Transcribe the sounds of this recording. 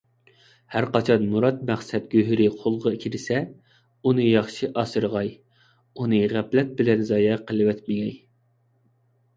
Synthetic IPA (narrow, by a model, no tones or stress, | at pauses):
hæɾqɑt͡ʃʰɑnmuɾɑt̪̚mæχsɛt̪̚ɡ̥ʲøɦɾɪqʰolˠʁɑkʲʰiɾɪsɛ | unɨjɑχʃiʔɑsɨɾʁɑj | unɨʁæplɛt̪̚bɪlɛnzɑːjɛqʰəlˠɨwɛt̪mɪɡʲɛj